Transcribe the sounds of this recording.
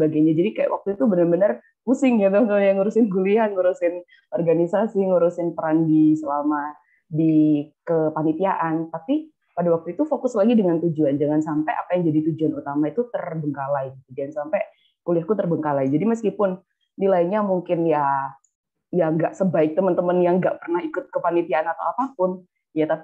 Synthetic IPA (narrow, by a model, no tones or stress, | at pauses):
baɡajɲad͡ʒadikaja̰ʔwʔa̰k̚t̪uit̪ubənərbənər | kusɪŋat̪ɔt̪jaŋuɾusɪnɡuliaŋuɾusɪn | ʔɔrɡanisasiŋuɾusɪnpəɾandisəlama | dikəpanit̪iaʔant̪api | padawak̚t̪uit̪ufokʊslaɡidəŋant̪ud͡ʒuand͡ʒaŋansampɛʔa̰pajaŋd͡ʒadit̪ud͡ʒuanut̪amait̪ut̪ərbəŋkalaiɡit̪ud͡ʒaansampɛ | kulɪahkut̪ərbəŋkalaid͡ʒadiməskipʊnː | ilaiɲamuŋkɪnja | jaŋɡaʔsəbaɪk̚t̪əmənt̪əmənjaŋɡa̰ʔpərnahikʊt̪̚kəpanit̪iaʔanat̪a̰wapapʊn | jat̪api